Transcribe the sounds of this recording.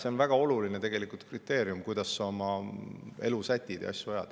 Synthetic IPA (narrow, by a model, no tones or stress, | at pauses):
se̞onvæɡ̥ɑo̞luline̞t̪e̞ɡ̥e̞likult̪krit̪ːˑe̞ːɾjumkujd̪̥ɑsːɑo̞mɑ | e̞lusæt̪ʲːid̪̥eɑ̰sʲjuɑjɑ̰d̪̥